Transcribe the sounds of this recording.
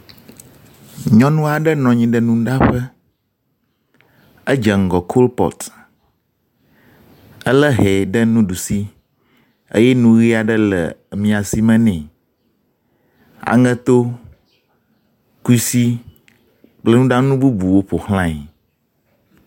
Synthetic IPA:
ɲɔ̃˦nũ˦a˨ɖə˦nɔ̃˨ɲĩ˨ɖə˨nũ˦ɖa˦ɸə˦ | ə˦d͡ʒə˨ŋ̩˨ɡɔ˨kʰo˦lpɔ̰˨t̪ | ə˦lə˦ɦɛ˨ɖə˦nũ˦ɖu˨si˦ | ə̰˦jɛ˦nũ˦ɣi˦a˨ɖə˦lə̰˨mĩ˨a˨si˦mə̃˦nɛ̃˨ | a̰˨ŋə̃˦t̪o˦ | ku˦i˦si˦ | k͡plə˦nũ˦ɖa˦nũ˦bu˦bu˨wo˦ɸo˨hl̃ã˦i˨

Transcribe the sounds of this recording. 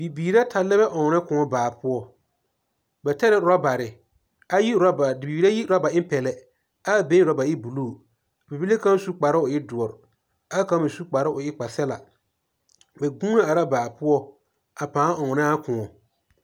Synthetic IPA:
bi˨biː˨ɾa˦tʰa˨lɛ˦bɛ˦ʔɔ˨ŋɔ˨nɛ˦kʊ˨ŋɔ˨baː˨pʊ˦ɔ˦ | bɛ˨ta˦ɾɛ˦ʊ˨ɾa˦ba˨ɾɪ˨ | a˦ji˦a˦ba˨i˨biː˨ɾa˦ji˦ɾa˦ba˨ɪ˦m˦pɛ˨lɛ˨ | a˦˨be˦ɾa˦ba˨ɪ˦bu˨luː˦˨ | bi˨bi˦le˦ka˦su˦k͡pa˨ɾɪ˦ʊ˨ɪ˦dʊ˨ɔ˨ɾ | a˦ka˦bɪ˨su˦k͡pa˨ɾɪ˦ʊ˨ɪ˦k͡pa˨sɛ˦la̰˨ | bɛ˨ɡũː˦na˦a˨ɾa˦baː˨pʊ˦ɔ˦ | a˨pãː˨˦ɔ˨ŋɔ˨nɪ˦a˦kʊ̃˨ŋɔ˨

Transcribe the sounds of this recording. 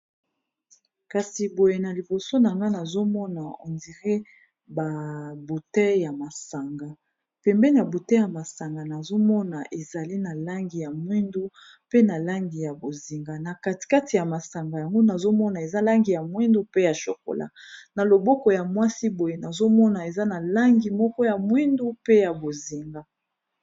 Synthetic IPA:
ka˨si˨bo˨je˨na˨li˨bo˨so˦na˨ŋɡa˦na˨zo˦mɔ˦na˨o̰˨ndi˨ʁe˦ | ba˨bu˨tɛ˦ja˨ma˨sa˨ŋɡa˨ | pɛ˨mbɛ˦n˦a˨bu˨tɛ˦ja˨ma˨sa˨ŋɡa˨na˨zo˦mɔ˦na˨ʔe˨za˨li˦na˨la˦ŋɡi˨ja˨mwi˦ndu˦ | pe˦na˨la˦ŋɡi˨ja˨bo˨zi˨ŋɡa˨na˨ka˦ti̥˨ka˦ti˨ja˨ma˨sa˨ŋɡa˨ja˨ŋɡo˦na˨zo˦mɔ˦na˨e˨za˦la˦ŋɡi˨ja˨mwi˦ndu˦pe˦ja˨ʃo̰˨ko̰˨la̰˦na˨lo˨bɔ˦kɔ˨ja˨mwa˦si˦bo˨je˦na˨zo˦mɔ˦na˨e˨za˦na˨la˦ŋɡi˨mɔ˦kɔ˦ja˨mwi˦ndu˦pe˦ja˨bo˨zi˨ŋɡa˨

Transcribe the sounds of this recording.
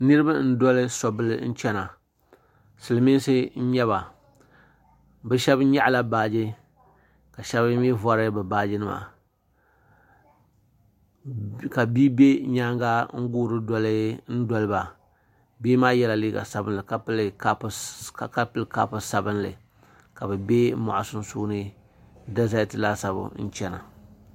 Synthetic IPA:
nɨ˦ɾɨ˦ba˦n̩˦dɔ˦lɨ˦sɔ˨bɨ˦lɨ˦n̩˦t͡ʃɛ˦na˨ | sɨ˨lmi˦n˦sɨ˦n̩˦ɲɛ˦βa˨ | bɨ˦ʃɛ˦bɲa˦ʔla˦baː˨d͡ʒi˦ | ka˨ʃɛ˦βm˦ɛ˦vɔ˦ɾɨ˦bɨ˨baː˦d͡ʒɪ˦nɨ˦˨ma̰˨ | ka˨biː˦be˦ɲaː˦ŋɡa˦ŋ̩˦ɡuː˦ɾɨ˦dɔ˦lɨ˦n̩˦dɔ˦lɨ˦ba˨ | biː˦maː˦jɛ˦la˨liː˦ɡa̰˨sa˦bɨ˦nlɨ˨ka˦pɨ˦lka˦pka˦pɨ˦lka˦pʊ˦sa˦bɨ˦nlɨ̰˨ | ka˨bɨ˨be˦ma̰˨ʔʊ˨sʊ˦n˦suː˦nɨ˦ | da˦za˦˨tɨ˨la˦sa˦bʊ̰˨n̩˦t͡ʃɛ˦na̰˨

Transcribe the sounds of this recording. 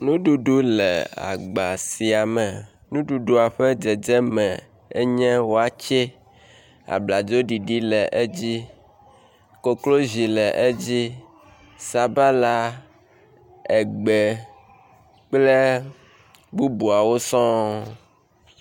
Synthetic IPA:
nũ˦ɖu˨ɖu˦lɛ̰˨a̰˨ɡ͡ba˨si˨a˨mɛ˨ | nũ˦ɖu˨ɖu˦a˨ɸɛ˦d͡ʒɛ˨d͡ʒɛ˦mɛ̃˨ | e˦ɲɛ̃˦wo˦a˨t͡ʃɛ˦ | a̰˨bla˨d͡ʒo˦ɖi˨ɖi˦lɛ˨ʔe˦d͡ʑi˦ | ko˨klo˦zi˨lɛ˨ʔe˦d͡ʑi˦ | sa˨ba˦la˦ | ɛ˨ɡ͡bɛ˨ | k͡plɛ˦ | bu˦bu˨a˨wo˦sɔ̃˦

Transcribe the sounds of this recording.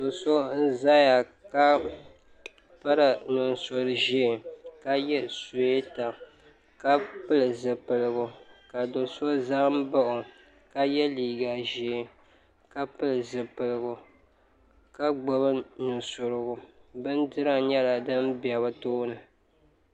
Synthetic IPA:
do˨so˦n̩˦za˦ja˨ka˦ | pa˦ɾɨ˨nɨ˨nso˨ɾɨ˨ʒeː˦˨ka˦jɛ˦so˨e˦ta˨ | ka˦pɨ˦lɨ˨zɨ˨pɨ˨lɨ˨ɡʊ˨ka˨do˨so˦za˦m˦ba˦ʔʊ˨ | ka˦jɛ˦liː˨ɡa˨ʒe˨ | ka˦pɨ˦lɨ˨zɨ˨pɨ˨lɨ˨ɡʊ˨ | ka˦ɡ͡bo˨βɨ˦nɨ˨nsʊ˨ɾɨ˨ɡʊ˨bɨ˦ndɨ˦ɾa˦ɲɛ˦la˨dɨ˦mbɛ˨βɨ˦toː˦nɨ˨

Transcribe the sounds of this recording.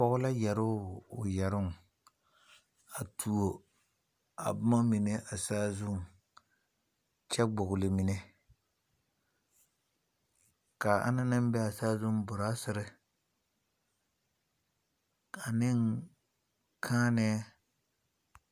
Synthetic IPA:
pɔ˦ɣʊ˦la˦jɛ˨ɾʊ˦ʊ˨jɛ˨ɾʊ˦ŋ˨ | a˨tʰu˨o˨ | a̰˨bʊ˦ma˦mi˨ne˦ʔa˨saː˦zʊ˦˨ŋ | t͡ʃɛ˦ɡ͡bʊ˨ɣʊ˨lɪ˨mi˨ne˦ | ka˨a̰˦na˦nɪ˦m˦bɛ˦a˨saː˦zʊ˦ŋ˦bʊ˨ɾa˦sɪ˨ɾɪ˦ | a˨nɪ˦ŋ | kʰaː˦nɛ˦

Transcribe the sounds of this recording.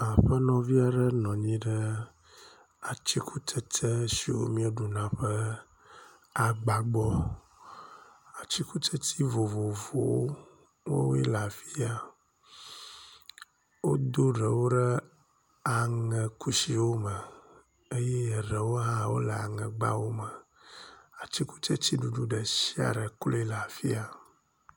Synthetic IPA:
a˨ɸə˦nɔ̃˨vi˦a˦ɖə˦nɔ̃˨ɲĩ˦ɖə˦ | a˨t͡ɕi˦kʰu˦t̪ʰə˦t̪ə˦si˨wo̰˦mĩ˦o˦ɖu˨nã˦ɸə˦ | a˨ɡ͡ba˦ɡ͡bɔ˦ | a˨t͡ɕi˦ku˦t̪ʰə˦t̪ʰi˦vo˨vo˨vo̰˨wo˦ | wo̰˦ɛ˦la˨vi˦a˦ | wo˦d̪o˦ɖə˨wo˦ɖɛ˦ | a˨ŋɛ̃˨ku˦si˨wo˦mə˨ | e˦jɛ˦jɛ˨ɖɛ˨wo˦ɦã˦˨wo˦lə˨a̰˨ŋɛ̃˨ɡ͡ba̰˦wo˦mɛ˨ | a˨t͡ɕi˦ku˦t͡ʃɛ˦t̪i˦ɖu˨ɖu˦ɖə˨si˦a̰˨ɖɛ˨klo˦ɛ˦la˨fi˦a˨

